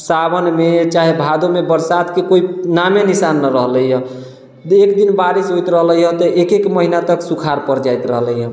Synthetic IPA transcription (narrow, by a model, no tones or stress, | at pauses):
sabənmet͡ʃaɦebʱad̪omebəɾsad̪kekoinamenisanːəɾəɦləjɦə̃ | ekd̪inbaɾisɦojt̪ɾəɦləɦə̃t̪ɔʔekekməɦinat̪əksukʰaɾpəɾd͡ʒajt̪ɾəɦləɦə̃